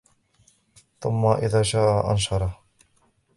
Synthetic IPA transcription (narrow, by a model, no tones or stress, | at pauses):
θʊmːaʔɪðaːʃaːʔaʔa̰nʃɑɾˤɑ